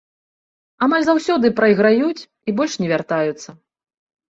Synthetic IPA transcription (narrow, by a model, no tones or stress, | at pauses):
amalʲzawsʲɔd̪ɨpɾɐjɣɾajut͡sʲ | ibɔlʲʂnʲɛvʲart̪ajut̪sːɐ